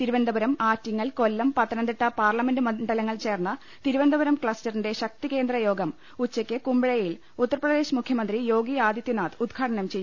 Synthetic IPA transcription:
t̪iɾubɐnd̪ɐbɐɾɐmaːtːiŋːɐɭko̞lːɐmpɐt̪ːɐnɐnd̪iʈːɐpaːrlɐme̞nɖɨmɐɳɖɐlɐŋːɐɭt͡ɕe̞ːrnːɐ | t̪iɾuʋɐnd̪ɐbɐɾɐmkɭɐstɐrinde̞ɕɐk̚t̪ike̞ːnd̪rɐjo̞ːɡɐm | ut͡ɕːɐkʲːɨkumbiɻɐjil | ut̪ːɐrɐprɐðe̞ːɕmukʰjɐmɐnd̪rijo̞ːɡiaːd̪jɐt̪ːjunaːt̪ud̪ɡʰaːɽɐnɐmt͡ɕe̞jːu

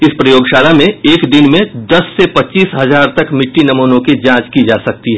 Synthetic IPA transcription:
ɪspɾɐjoːɡʃaːlamẽeːkd̪ɪnmẽd̪ɐsːepɐtːt͡ʃiːsɦɐzaːɾt̪ɐkmɪʈːinɐmoːnõkid͡ʒãːt͡ʃkid͡ʒaːsɐk̚t̪iɦɛː

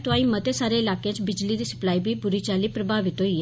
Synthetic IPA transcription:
t̪oãĩmət̪esaːɾeɪlaːkẽt͡ʃbɪd͡ʒlid̪iːsə̥plaːibʱibʊɾit͡ʃaːlipɾəbʱaʋɪt̪ɦoi

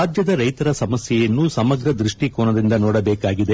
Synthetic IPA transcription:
aːd͡ʒjɐd̪ɐɾɐjt̪ɐɾɐsɐmɐsjɛjɐnːusɐmɐɡɾɐd̪ɾiʂʈikoːnɐd̪ind̪ɐnoːɽɐbeːkaːɡid̪e

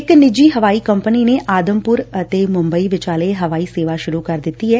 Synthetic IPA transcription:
ɪknɪd͡ʒiːɦəʋaːiːkəmpəniːneːʔaːd̪əmpʊɾət̪eːmʊ̃mbəiːʋɪt͡ʃaːleɦəʋaːiːseːʋaːʃʊɾuːkəɾd̪ɪt̪ːiːɦɛː

